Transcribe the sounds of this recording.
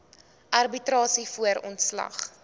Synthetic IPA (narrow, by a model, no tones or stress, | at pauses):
ʔɐrbitrɑːsifuəɾɔntslɐ̰χ